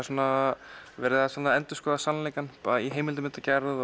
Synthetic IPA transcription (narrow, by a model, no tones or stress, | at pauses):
suːnavɛːɾɪðasanaɛnt̪ʏskɔːðasanleːjkanpaɾaiɦeːjmɪlt̪ʏɪmɪnt̪acɛɾɪð